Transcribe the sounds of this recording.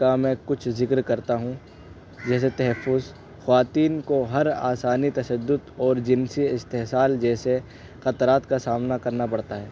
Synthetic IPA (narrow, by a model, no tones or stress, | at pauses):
kamɛ̃kʊt͡ʃʰzɪkɾkɐɾt̪aɦũ | d͡ʒɛːs̬et̪ɐɦɛfːʊz | xʋaːt̪iːnkoɦɐɾa̰ːsaːnit̪ɐʃəd̪ːʊd̪ɔːɾd͡ʒɪnsiɪst̪eɦsaːld͡ʒɛːse | xɐt̪ɾaːt̪kasaːmnakɐɾnapɐɽt̪aɦɛː